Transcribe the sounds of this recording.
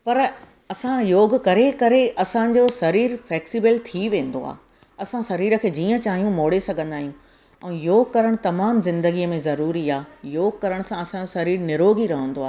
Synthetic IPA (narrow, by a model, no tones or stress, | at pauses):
pɐɾ | ɐsãjoːɡ̆kɐɾekɐɾeʔɐsãd͡ʑoːsɐɾiːɾfɛːksibəlt̪ʰiʋẽːnd̪o̰a̰ː | ɐsãsɐɾiːɾə̆kʰeːd͡ʑiːə̃t͡ɕaːɦijũmoːɽesɐɡʱə̃nd̪aːɦijũ | ɛ̃ːjoːɡkɐɾəɽ̃t̪ɐmaːmzɪ̃nd̪əɡiəmẽzɐɾuːɾiaːjoːɡ̚kɐɾəɽ̃ʊsãɐsãd͡ʑosɐɾiːɾnɪɾoːɡʱiɾɐɦə̃nd̪oaː